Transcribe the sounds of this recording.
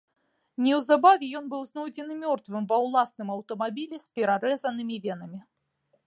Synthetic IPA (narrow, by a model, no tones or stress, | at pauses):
nʲɛwzabavʲɛjɔnbɨwznɔjd͡zʲɛnɨmʲɔrt̪vɨmvɐwlˠasnɨmɐwt̪ɐmabʲilʲɛsʲpʲɛɾaɾɛzɐnɨmʲivʲɛnɐmʲi